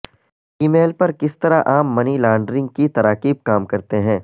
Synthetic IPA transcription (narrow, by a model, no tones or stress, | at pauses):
iːmeːlpɐɾkɪst̪ɐɾaʔaːmːɐnilãːɳɖɾɪ̃ŋɡkit̪ɐɾaːqiːb̚kaːmkɐɾt̪eɦɛ̃ː